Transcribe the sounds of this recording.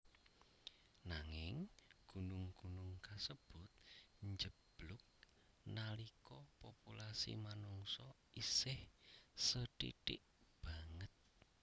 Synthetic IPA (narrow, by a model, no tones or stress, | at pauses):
naŋɪŋɡ̥unʊŋɡ̥unʊŋkasəb̥ʊ̤t̪̚ɲd͡ʒəb̥lʊk̚ | nalikɔpopulasḭmanuŋsɔ | isɪhsəʈḭʈɪʔ | b̥a̤ŋət̪̚